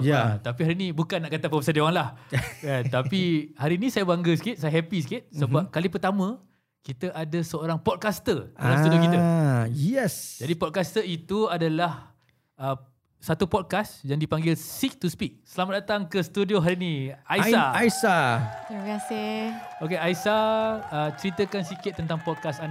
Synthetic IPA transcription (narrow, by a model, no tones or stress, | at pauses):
jaat̪apiɦaɾinĩbukanːaʔkat̪apəbəsadewaŋlahkant̪apihaɾiːnĩsajabaŋɡəsə̥kɪt̪̚sajaɦɛpis̬ə̥kɪt̪̚səbap̚kalip̬ərt̪amã | kit̪əʔadasəoɾaŋpɔt̚kast̪ərdalamst̪uijokiəjɛsd͡ʒadipɔt̚kast̪əit̪uadalah | ə | sat̪upɔd̚kasd͡ʒaŋdipaŋɡɪlsik̚t̪uspik̚səlamaʔ̚dat̪aŋkəst̪udioɦaɾiniajsaaisat̪iməkasɪokeaisaət͡ʃəɾit̪əkansikɪt̪ːənt̪aŋpɔd̪̚kasan